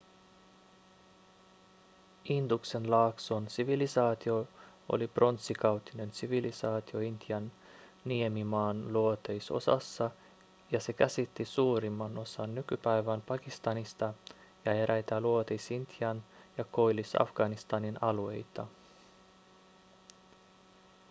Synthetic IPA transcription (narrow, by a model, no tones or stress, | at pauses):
ind̪ukse̞nlɑːksonsiʋilisɑːt̪io̞ | o̰lipro̞nt̪sːikɑwt̪ine̞nsiʋilisɑːt̪io̞int̪iɑnː | iemimɑːnluot̪ejso̞̰sɑ̰sːɑ | jɑse̞kæsit̪ːisuːɾimːɑno̞sɑnːykypæjʋænpɑkist̪ɑnist̪ɑ | jɑe̞ɾʔæjt̪æluot̪ejsint̪jɑnjɑko̞jlisɑ̰fɡ̥ɑnist̪ɑninɑlue̞jt̪ɑ